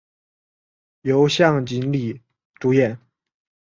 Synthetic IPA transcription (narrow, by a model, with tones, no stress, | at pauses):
jo˧˥ʊɕjɑ˥˩ŋt͡ɕi˧˥nli˨˩ | ʈ͡ʂu˧˥jɛ˥˨˩n